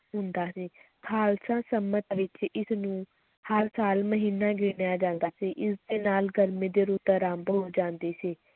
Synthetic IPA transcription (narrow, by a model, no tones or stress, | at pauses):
ɦʊnd̪aːsiː | kʰaːlsãːsəmət̪ʋɪt͡ʃɪsnũː | həɾsaːlməɦiːnːaːɡɪnjaːd͡ʒãːnd̪aːsiːʔɪsd̪eːnaːlɡəɾmẽːd̪eːɾuːt̪ɾãːmbɦoːd͡ʒãːnd̪eːsiː